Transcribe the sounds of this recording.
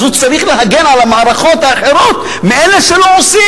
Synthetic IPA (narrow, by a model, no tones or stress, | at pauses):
zut͡saɾiχleɦaɡenʕalamaʕaɾaχo̞t̪haːħe̞ɾo̞t̪ | meeleʃeloosi